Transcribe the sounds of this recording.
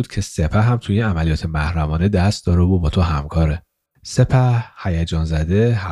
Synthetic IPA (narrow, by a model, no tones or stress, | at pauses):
ud̪cʰe̞se̞pʰæɦæmt̪ʰujinæmælijɒːt̪ʰe̞mæhɾæmɒːned̪æst̪̚d̪ɒːɾebubɒːt̪ʰoɦæmkʰɒːɾe | se̞pʰæhæjæd͡ʒɒːnzæd̪eɦæ